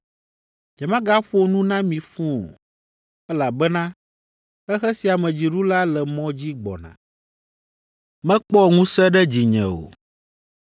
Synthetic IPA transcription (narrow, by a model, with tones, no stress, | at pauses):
ɲɛ̃˨mã˦ɡa˦ɸo˦nũ˦nã˦mĩ˨fũ˦o̰˨ | ɛ˦la˨bɛ˦nã˦ | ɛ˦xɛ˦si˨a˨mɛ̃˨d͡ʑi˨ɖu˦la˦lɛ˨mɔ̃˦d͡ʑi˦ɡ͡bɔ̰˨nã̰˨ | mɛ̃˦k͡pɔ˦ŋũ˦sɛ˦ɖɛ˦d͡ʑi˨ɲɛ̰̃˨o̰˨